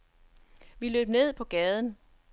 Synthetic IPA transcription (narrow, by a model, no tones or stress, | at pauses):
ʋilø̰ːb̥̚ne̝ð̞̰ˠpʰɒ̽ɡ̥ɛːð̞ˠn̩